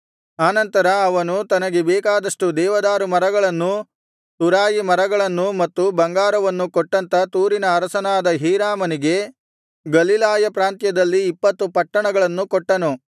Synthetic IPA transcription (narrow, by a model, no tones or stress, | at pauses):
aːnɐnt̪ɐɾɐːʋɐnut̪ɐnɐɡebɛːkaːd̪ɐʂʈud̪ɛːʋɐd̪aːɾumɐɾɐɡɐɭɐnːu | t̪uɾaːjimɐɾɐɡɐɭɐnːumɐt̪ːubɐŋɡaːɾɐʋɐnːukɔʈːɐnt̪ɐt̪uːɾinɐːɾɐsɐnaːd̪ɐɦiːɾaːmɐniɡe̞ | ɡɐlilaːjɐpɾaːnt̪jɐd̪ɐlːiːpːɐt̪ːupɐʈːɐɳɐɡɐɭɐnːukoʈːɐnu